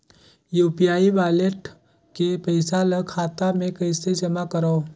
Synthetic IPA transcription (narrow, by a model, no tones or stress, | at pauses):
juːpijaːibaːleʈ | kepəɪsaləkʰaːt̪amẽkɐɪsed͡ʒɐmakəɾa